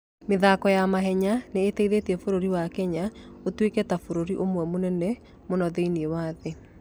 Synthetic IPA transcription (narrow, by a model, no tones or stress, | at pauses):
meðakɔjamaɦɛɲaneːteiðetiɛfoɾoɾiwakɛɲaotwekɛtafoɾoɾiʔomwɛmonɛnɛ | monɔðeiniewaðe